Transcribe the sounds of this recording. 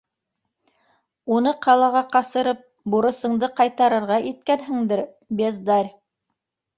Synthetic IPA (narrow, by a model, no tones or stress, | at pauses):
unɤqɑlˠɑʁɑqɑsɤ̆ɾɤp̚ | buɾɤ̆sɤ̆ɴd̪ɤqɑjt̪ɑɾɤ̆ɾʁɑʔit̪̚kænɦɘŋd̪ɘɾ | bʲezd̪ɑɾʲ